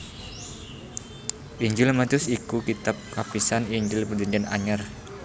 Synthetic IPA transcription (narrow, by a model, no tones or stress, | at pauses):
ʔiɲd͡ʒʊlmat̪ʊsikukit̪ap̚kapisaniɲd͡ʒʊlpərd͡ʒaɲd͡ʒana̰ɲər